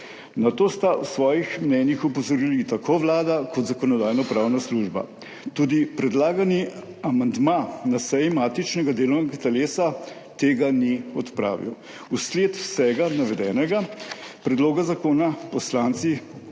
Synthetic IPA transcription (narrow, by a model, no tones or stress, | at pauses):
nat̪oːst̪awsʋɔːjixmnɛːnjixupɔzɔɾilit̪akʰoːʋlaːd̪akɔt̪zakɔnɔd̪aːjnɔpɾaːwnasluːʒba̰ | t̪uːd̪ipɾɛd̪laːɡani | amand̪manasɛjimat̪it͡ʃnɛɡad̪eːlɔwnɛɡat̪ɛleːsa | t̪eːɡaniɔt̪pɾa̰ːʋḭw | usleːt̪wsɛɡanaʋɛd̪ɛːnɛɡa | pɾɛd̪loːɡazakoːnapɔslaːnt̪si